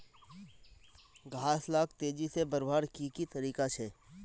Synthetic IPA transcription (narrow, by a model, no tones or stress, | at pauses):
ɡʱaːslaːk̚ʰt̪eːd͡ʒisebɐɾbʱaːɽkikit̪ɐɾiːkat͡ʃʰɛː